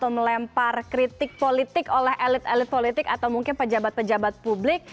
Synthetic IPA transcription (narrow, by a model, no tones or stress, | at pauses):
t̪awməlɛmparkɾit̪ɪk̚polit̪ɪkolɛhɛlɪt̪ɛlɪt̪̚polit̪ɪkat̪awmuŋkɪnpəd͡ʒabat̪̚pəd͡ʒabat̪̚publɪk̚